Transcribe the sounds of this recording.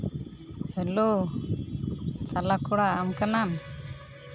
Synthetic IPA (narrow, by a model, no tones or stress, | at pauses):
hɛlo | t̪alakɔɽaːmkanan